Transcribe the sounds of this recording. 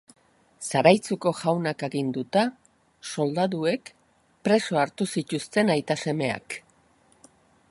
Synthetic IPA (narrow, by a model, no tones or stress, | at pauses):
saɾajt͡suko̞ʝawnake̞ɣind̪ut̪a | so̞ld̪aðue̞k | pɾe̞so̞aɾt̪usit̪ust̪e̞najt̪ase̞me̞a̰k